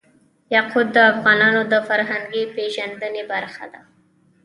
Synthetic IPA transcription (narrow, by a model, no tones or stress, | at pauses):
jaqʰud̪ːəafɣɑnɑnod̪əfaɾɦaŋɡipeʒand̪ənebaɾxa̰d̪a